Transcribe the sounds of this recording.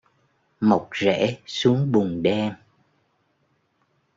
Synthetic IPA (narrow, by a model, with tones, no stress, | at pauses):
mə˨˩wk͡p̚zɛ̰˧˥su˨˦əŋɓʊ˨˩ŋ͡mɗɛ˧m